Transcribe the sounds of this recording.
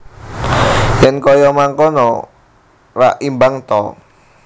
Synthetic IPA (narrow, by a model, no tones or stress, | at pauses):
jɛnkɔjɔmaŋkɔnɔ | ra̰ʔimbaŋt̪ɔ̰